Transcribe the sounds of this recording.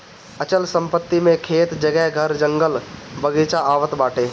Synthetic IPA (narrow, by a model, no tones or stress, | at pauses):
ət͡ʃəlsə̃mpət̪ːimẽkʰeːt̪d͡ʒəɡɛɦɡʱəɾd͡ʒəŋɡəlbəɡiːt͡ʃaaːʋət̪baːʈʰeː